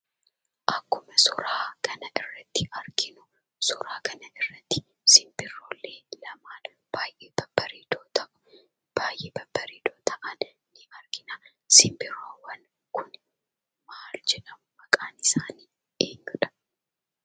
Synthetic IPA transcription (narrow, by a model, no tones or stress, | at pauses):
ʔɐkːʊmɐsʊɾaːkʰɐnɐʔɪrːɐt̪ːɪɐɾɡɪnʊ | sʊɾaːkɐnɐʔɪrːɐt̪ːɪ̥ | sɪmbɪrːoːlːe̞ːlɐmaːn | b̥aːjʔeːbɐb̥ɐɾiːd̪oːt̪ɐʔʊ̥ | b̥aːjʔeːbɐb̥ɐɾiːd̪oːt̪ɐʔɐn | nːɪɐɾɡɪnaː | sɪmbɪɾːoːwɐn | kʊn | maːld͡ʒɛᶑɐmʊmɐkʼaːnɪsaːniː | eːŋɡʊᶑɐ̥